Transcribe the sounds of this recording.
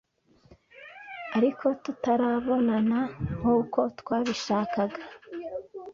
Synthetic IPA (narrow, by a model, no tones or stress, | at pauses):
aɾikʰo̞tutaɾaβo̞nanahuːko̞twaːβiʃaːkaɡa